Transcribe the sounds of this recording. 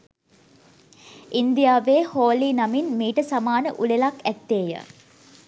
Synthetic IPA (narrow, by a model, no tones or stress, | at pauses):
ind̪ijaːʋeːhoːliːnaminmiːʈəsamaːnəʔulelakɛt̪ːeːjə̰